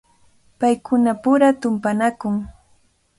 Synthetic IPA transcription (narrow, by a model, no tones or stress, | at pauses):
pajkʊnapʊɾat̪ʊmpanakʊŋ